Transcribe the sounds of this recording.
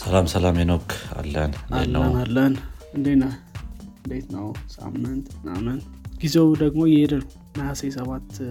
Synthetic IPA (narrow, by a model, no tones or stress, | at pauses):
səlamsəlamjenokʰːa̰lːə̰nɨnaḛl̰ːənalːənɨnd̪enəɨnd̪et̪nəwsa̰mːɨnt̪na̰mːɨnt̪ɡ̥izewd̪əɡmojɛhed̪əlkunəjasejsəβat̪